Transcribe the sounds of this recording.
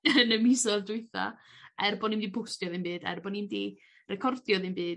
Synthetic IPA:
ənəmisɔðdwʊɨθa̰ | ɛrbɔnimdipʰʊstjɔðɪnbɨːdɛ̰rbɔnimdi | rɛkʰɔrdjɔðɨmbɨːd

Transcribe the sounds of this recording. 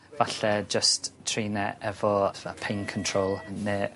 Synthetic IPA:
vaɬɛd͡ʒəsttʰreːnɛʔɛvɔvapʰejnkʰɔntʰroːlˠneː

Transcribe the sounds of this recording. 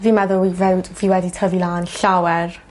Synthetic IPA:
viːmɛðʊlˠwivɛwdviːwɛditʰɔvilaːnɬawɛr

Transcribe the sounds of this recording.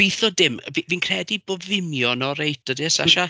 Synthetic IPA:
ejθɔdɪmviviːnkʰr̥ɛdibɔvɪmjɔnɔɾejt̚ʰɔdɪsa̰ʃa

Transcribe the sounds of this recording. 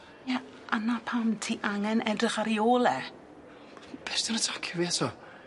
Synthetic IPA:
ja | ʔanapʰamtʰiʔaŋɛnʔɛdrɪχaɾioːlˠɛ | b̥ɛsdɪnatʰḁkʰəviɛtʰɔ

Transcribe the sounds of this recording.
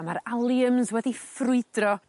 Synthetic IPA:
amaɾalˠjəmzwɛdifrʊɨdrɔ

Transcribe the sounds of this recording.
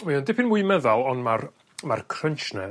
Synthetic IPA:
wiɔndɪpʰɪnmujmɛðalˠɔnmar | markʰrənʃnɛ

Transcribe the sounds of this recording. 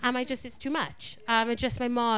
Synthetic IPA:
ʔə̃naɪd͡ʒʌstɪtstʰʉːmʌ̰t͡ʃʌ̃maɪd͡ʒʌsmaɪmɑ

